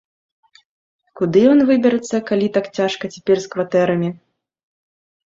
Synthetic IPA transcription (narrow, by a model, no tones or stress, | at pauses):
kud̪ɨjɔnvɨbʲɛɾɨt̪sːɐkalʲit̪akt͡sʲaʂkɐt͡sʲɛ̥pʲɛrskvat̪ɛɾɐmʲi